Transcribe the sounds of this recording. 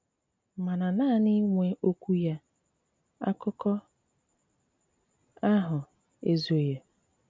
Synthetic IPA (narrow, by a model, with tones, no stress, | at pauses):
ma˨na˨naː˦˨ni˦ŋʷe˦ʔo˦kʷu˦ja˦ | a̰˦kʊ˦kɔ˦ | a˦ɦʊ˨ | e˨zo˨je˨